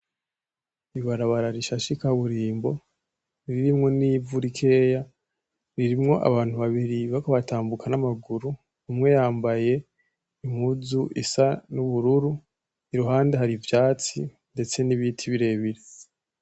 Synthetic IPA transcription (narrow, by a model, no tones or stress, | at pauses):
iβaɾaβaɾaɾiʃaʃikaβuɾiːmbo̞ | ɾiɾiɾimŋo̞niːvuɾikʰe̞ːja | ɾiɾimŋo̞ʔa̰βaːn̥uβaβiɾiβakaβatʰaːmbukanamaɡuɾu | umŋe̞jaːmbaje̞ | imuzuʔisanuβuɾuɾu | iɾuɦaːnde̞ɦaɾivjaːt͡sḭ | nde̞t͡se̞niβitʰiβiɾe̞βiɾe